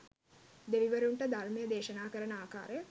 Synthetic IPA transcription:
d̪eʋiʋəɾuɳʈəd̪arməjəd̪eːʃənaːkəɾənəaːka̰ːɾəjə

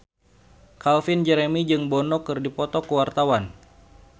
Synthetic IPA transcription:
kalfind͡ʒɛɾemid͡ʒɨŋbɔnɔkɨrdipɔt̪ɔkəwart̪awan

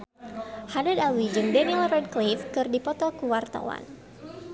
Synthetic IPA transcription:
hadad̪alwid͡ʒɨŋdɛnilrɛd̚klifkɨrdipɔt̪ɔkuwart̪a̰wa̰n

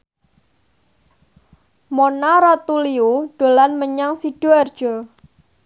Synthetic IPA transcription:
monaɾat̪uliuɖ̥o̤lanməɲaŋsiɖ̥ɔ̤ard̥ʒ̥ɔ

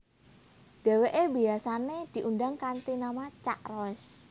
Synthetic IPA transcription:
d̪̥e̤weʔebi̤asaned̪̥i̤ʔunɖaŋkant̪inamat͡ʃa̰ʔrɔs

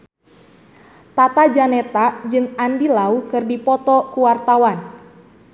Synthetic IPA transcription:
t̪at̪ad͡ʒanet̪ad͡ʒɨŋandilaukɨrdipɔt̪ɔkuwart̪awan

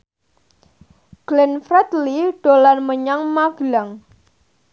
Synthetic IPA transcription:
ɡ̥lɛnfɾɛt̪liɖ̥olanməɲaŋmaɡ̥laŋ

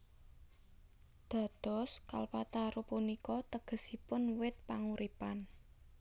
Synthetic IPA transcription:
d̪̥a̤d̪̥ɔ̤ska̰lpat̪aɾupunikɔt̪əɡ̥ə̤sipʊnwɪt̪̚paŋuɾipan

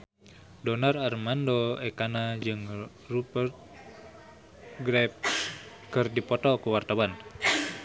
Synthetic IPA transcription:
dɔnararmandoɛkanad͡ʒɨŋ | rubərt̪̚ | ɡɾɛp̚ | kɨrdipɔt̪ɔkuwart̪awan

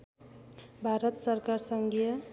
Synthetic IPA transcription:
bʱaɾʌt̪sʌrkarsʌŋɡijʌ

